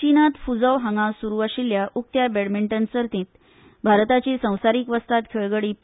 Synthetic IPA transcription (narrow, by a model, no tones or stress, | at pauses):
t͡ɕinat̪fud͡zəʋɦaŋãsuɾuaɕiljaʔuk̚t̪jabeɽmiɳʈənsəɾt̪ĩt̪ | bʱaɾt̪at͡ɕisə̃w̃saɾiːkʋəst̪at̪kʰeɭɡəɽiː